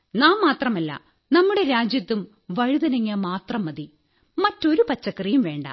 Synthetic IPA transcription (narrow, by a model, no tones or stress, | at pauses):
naːmːaːt̪rɐmɐlːɐ̰ | nɐmːuɽe̞ɾaːd͡ʑjɐt̪ːum | ʋɐɻuðɐnɐŋːijɐmaːt̪rɐmːɐði | mɐtːo̞ɾupɐt͡ɕːɐkːrijumʋe̞ːɳɖɐ̰